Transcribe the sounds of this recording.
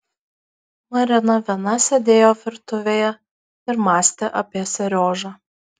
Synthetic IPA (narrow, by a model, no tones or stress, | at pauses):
mɐɾʲɪnɐʋʲiɛnɐsʲɛd̪ʲeːjoːʋʲɪɾt̪ʊʋʲeːjɛ | ɪɾmɑːsʲt̪ʲeʔɐpʲiɛsʲɛɾʲoːʒɑː